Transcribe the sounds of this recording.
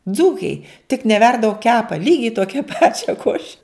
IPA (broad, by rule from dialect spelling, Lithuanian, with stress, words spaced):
ˈd͡zuːkʲæɪ tʲɪk nʲɛˈʋʲɛrdɐ oː ˈkʲæːpɐ ˈlʲiːɡʲɛɪ ˈtoːkʲɛ ˈpɑːt͡ʃʲɛ ˈkoːʃʲɛ